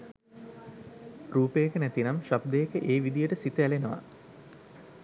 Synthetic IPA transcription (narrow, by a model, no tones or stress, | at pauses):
ruːpejəkənæt̪inamʃab̚d̪əjəkəʔeːʋid̪ijəʈəsit̪əælenəʋa̰